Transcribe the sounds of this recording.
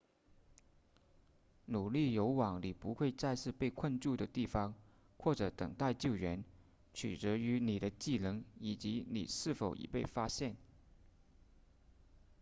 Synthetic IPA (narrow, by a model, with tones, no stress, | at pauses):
nu˨˩li˥˩jo˧˥ʊwɑ˨˩ŋni˨˩pu˧˥xwe˥˧ɪt͡sa˥˧ɪʂɻ̩˥˧pe˥˧ɪkʰə˥˧nʈ͡ʂu˥˩d̪ə˩t̪i˥˩fɑ˥ŋ | xwɔ˥˩ʈ͡ʂɤ˧˥t̪ə̰˨˩ŋt̪a˥˧ɪt͡ɕjo˥˩ʊɥɛ˧˥n | t͡ɕʰy̰˨˩t͡sɤ˧˥y˧˥ni˨˩ɾə˦t͡ɕi˥˩lɤ˧˥ŋi˨˩t͡ɕi˧˥nḭ˨˩ʂɻ̩˥˩fo˨˩ʊʔḭ˨˩pe˥˩ɪfa˥ɕjɛ˥˩n